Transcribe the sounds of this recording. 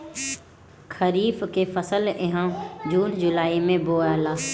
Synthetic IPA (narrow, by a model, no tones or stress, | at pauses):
kʰəɾiːfkefəsəlɪɦãd͡ʑuːnd͡ʑʊlaːimẽboːaːlaː